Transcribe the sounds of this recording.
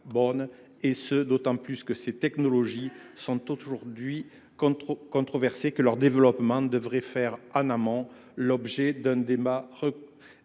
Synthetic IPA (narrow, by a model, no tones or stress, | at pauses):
bɔn | esəd̪ot̪ɑ̃plyskəset̪ɛknɔlɔʒisɔ̃t̪oʒuʁd̪ɥi | k̪kɔ̃t̪χɔvɛʁsekəlœʁd̪evəlɔpmɑ̃d̪əvʁɛfɛʁãnamɔ̃ | lɔbʒed̪ɛ̃d̪emaʁə